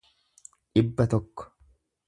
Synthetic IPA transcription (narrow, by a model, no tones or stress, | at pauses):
ᶑɪbːɐt̪ɔkːɔ̥